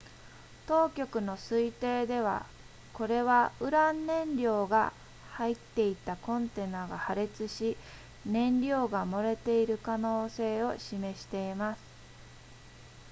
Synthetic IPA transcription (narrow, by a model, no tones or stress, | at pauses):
t̪o̞ːkʲo̞kɯ̟no̞sɨit̪e̞ːd̪e̞β̞a̰ | ko̞ɾe̞βaɯ̟ɾãnːẽ̞ɲɾʲo̞ːɡa̰ | hait̪ːe̞it̪akõ̞nt̪e̞naːɡahaɾe̞t͡sɨɕi | nẽ̞nɾʲo̞ːɡamo̞ɾe̞t̪e̞iɾɯ̟kano̞ːse̞ːo̞ɕime̞ɕi̥t̪e̞imasɨ̥